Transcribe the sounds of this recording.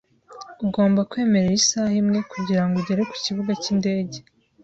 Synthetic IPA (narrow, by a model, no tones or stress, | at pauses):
uɡo̞ːmbakwe̞ːme̞ɾeisahimŋe̞kuɟiɾaŋɡuɟeɾe̞ku̥ciβuɡacinde̞ːɟe̞